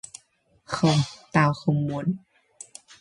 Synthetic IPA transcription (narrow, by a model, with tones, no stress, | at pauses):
xɤ˧˩mt̪aː˧˩wxo˧mːu˧˦n